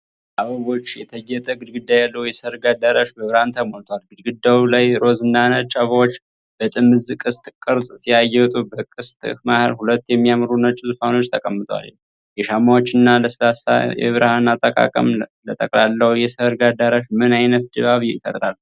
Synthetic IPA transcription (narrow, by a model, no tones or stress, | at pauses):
aβəβo̞t͡ʃːjɛt̪ʰəjːɛt̪ʼəɡɨd̪ɡɨd̪ːajalːəwjɛsəɾɡad̪aɾaʃbəβɾəhant̪ʰəmolt̪ʰwalɡɨd̪ɡɨd̪ːawlajɾo̞zɨnːanət͡ʃʼaβəwot͡ʃː | b̥ət̪ʼɨmːɨzɨkʼɨst̪ʼkʼɨɾsʼsiajɛwt̪ʼubəkʼɨst̪ʼmahəɾhulət̪ːjɛmːijamɾunət͡ʃʼuzɨfano̞t͡ʃːt̪ʰəkʼəmːɨt̪ʼwa̰l̰ | jɛʃamawot͡ʃːɪnːaləsəlasa̰jɛ̰βɨɾəhanat̪ʼːəkʼa̰kʼə̰mlət̪ʼəkʼlalːəhwjɛsəɾɡad̪aɾaʃmɨnajnət̪̚d̪ɨβaβjɪfə̰ɾɾalː